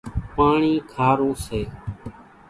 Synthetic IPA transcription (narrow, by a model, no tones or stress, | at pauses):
paːɳiːkʰaːɾũːseː